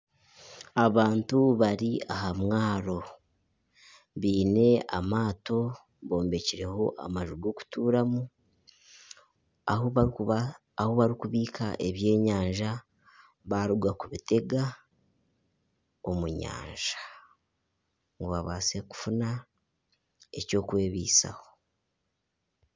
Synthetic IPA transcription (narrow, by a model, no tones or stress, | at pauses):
aβaːntuβaɾiaɦamŋaːɾo̞ | βiːne̞a̰maːto̞ | βo̞ːmbeciɾe̞ho̞ʔa̰maʒuɡoku̥tuːɾamu | ah | ahoβaɾikuβiːkʰa̰ʔe̞βje̞ːɲaːɲʒa | βaɾuɡwakuβite̞ɡa | omuɲa̰ːɲʒḁ | ŋɡuβaβaːse̞ku̥funa | e̞co̞ːkwe̞ːβḭːsa̰ho̞